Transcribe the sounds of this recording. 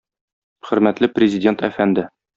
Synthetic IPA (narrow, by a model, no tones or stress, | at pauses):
χɵ̆ɾmæt̪lɘprʲɪzʲɪdʲe̞nt̪æfænd̪ɘ